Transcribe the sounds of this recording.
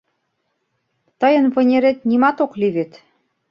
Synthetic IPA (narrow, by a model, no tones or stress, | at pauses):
t̪əjə̆nβɤ̆nʲeɾet̪̚nimɑt̪okliβet̪